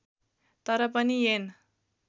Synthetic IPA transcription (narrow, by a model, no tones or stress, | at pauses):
t̪ʌɾʌpʌnijen